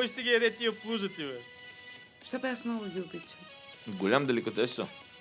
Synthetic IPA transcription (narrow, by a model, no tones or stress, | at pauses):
ɔjʃt̪ɛɡʲijɐd̪ɛt̪iəplˠuʒət̪sivɛ | ʃt̪ɔbɛasmnɔɡʊɡʲiʊbit͡ʃəm | ɡolʲamd̪ɐlɛkot̪ɛso